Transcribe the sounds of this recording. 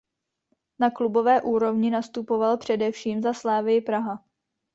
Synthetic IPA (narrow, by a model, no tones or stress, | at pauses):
naklubo̞vɛːʔuːɾo̞vɲɪnast̪upo̞valpr̝̥ɛdɛfʃiːmzaslaːvɪjɪpɾaɦa